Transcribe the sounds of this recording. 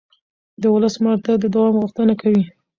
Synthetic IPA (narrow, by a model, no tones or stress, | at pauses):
d̪əwʊləsmaɽt̪ad̪əd̪awɑmɣʊxt̪ənakawi